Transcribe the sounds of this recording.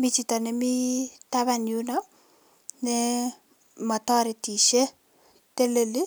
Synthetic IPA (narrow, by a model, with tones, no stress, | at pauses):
mi˦t͡ʃita˨nɛ˨mi˦taβanju˦na | nɛ | ma˨tɔɾe˨ti˨ʃe˦ | te˦le˨li˦